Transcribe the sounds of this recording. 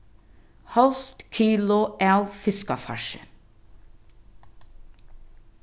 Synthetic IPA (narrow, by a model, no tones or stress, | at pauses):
hɑlft̪kʰiːlʊʔɛlfɪskɑfɑ̰ʃə̰